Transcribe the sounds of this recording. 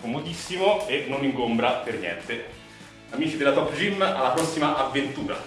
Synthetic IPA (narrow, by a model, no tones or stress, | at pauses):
komot̪isːimoenːoniŋɡombɾapernjɛ̰nt̪e | amiːt͡ʃid̪elat̪ɔpːd͡ʒimalːapɾɔsːimaʔavːent̪uːɾa̰